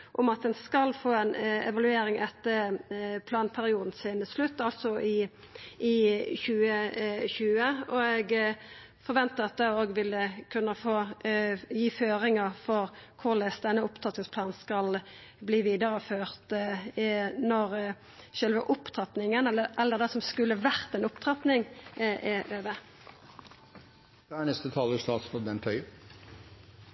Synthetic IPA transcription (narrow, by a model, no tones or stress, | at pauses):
ʔʊmɑt̪̚d̪ɛnskɑlːfoːɛnɛ̰ʋɑlʉeːɾɪŋɛt̪ːəpʰlɑːnpʰæʁɪuːd̪n̩sɪnslʉt̪ːɑlt̪sɔʔɪ | ɪçʉːəçʉːəɔɛɡ | fɔɾʋɛnt̪əɑt̪̚d̪ɛoːɡʋɪlːəkʰʉnːəfoː | jiːføːɾɪŋəfɔʁkʰʊʁlɛsd̪ɛnːəʊpt̪ʰʁɑt̪nɪŋspʰlɑːnskɑlbliːʋiːd̪əʁəføːʁt̪ | nɔʁ | ʃœlʋəʔʊpt̪ʰʁɑt̪nɪŋənɛlːəʔɛlːəʁd̪ɛsɔmskʉlːəʋæʁt̪ɛnʊpt̪ʰʁɑt̪nɪŋʔɛʔøːʋə | d̪̥ɛːænɛst̪ət̪ʰɑːləst̪ɑːsfɔd̪ɛnt̪ʰœʏ